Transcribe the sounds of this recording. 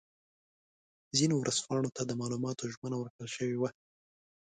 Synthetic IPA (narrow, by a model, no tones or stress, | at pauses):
zinowɾʔəz̥pɑɳ̃ot̪ad̪əmɑlumɑt̪oʒmənawəɾkɽəlʃəwewa